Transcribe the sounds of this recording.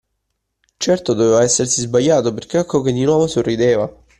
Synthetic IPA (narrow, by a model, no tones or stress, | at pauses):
t͡ʃɛrt̪od̪oveːvaɛsːersizbajːaːt̪operk̟eɛkːok̟ed̪ːinwɔːvosorːid̪eːva